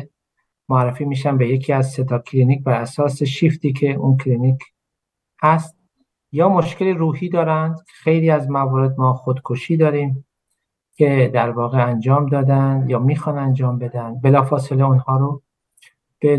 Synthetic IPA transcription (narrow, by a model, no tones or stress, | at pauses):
moærːefiːmiːʃænbe̞jecʰiːæzse̞d̪ɒːkʰliniːc̚bæɾæsɒːse̞ʃift̪iːcʰe̞ʔunkʰliniːkʰ | hæst̪̚ | jɒːmo̞ʃkʰe̞liɾuːhiːd̪ɒːɾænd̪kʰe̥xe̞jliːæzmævɒːɾe̞d̪mɒːxod̪kʰoʃiːd̪ɒːɾiːm | cʰe̞d̪æɾvɒːɣeænd͡ʒɒːmd̪ɒːd̪ænd̪jɒːmiːxɒːnænd͡ʒɒːmbe̞d̪ænd̪be̞lɒːfɒːse̞leunhɒːɾo | b̥e